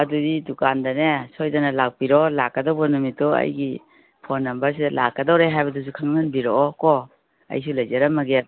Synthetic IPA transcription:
ɐdudidukandɐnesojdɐnɐlak̚biɾɔlakːɐdawbɐnumitɔɐ̰jɡi | pʰonːɐmbɐɾs̬idɐlakːɐdawɾeɦajbɐdus̬ukʰɐŋnanbiɾoɔkɔ | ɐ̰js̬ulɐjzɐɾɐmɐɡe

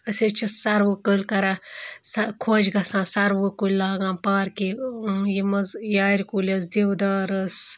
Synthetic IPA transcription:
əset͡ʃʰissɐɾʋukəlkɐɾasɐkʰoːd͡ʒɡɐsãːsɐɾʋukulʲlaːɡãːmpaːɾkijimɐzjaːɾikulʲɐs̬d̪iwd̪aːɾɐs

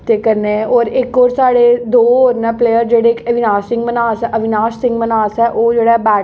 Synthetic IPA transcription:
t̪ekɐɾneɛ̃ʔɔːɾeːkɔːɾsaːɽed̪oːoːɾnapleːjəɾd͡ʒeːɽeeːkɐʋɪnaːsɪ̃ŋɡmənaːsɛʔɐʋɪnaːʃɪ̃ŋɡmənaːsɦɛʔoːd͡ʒeːɽaɦɛbɛː

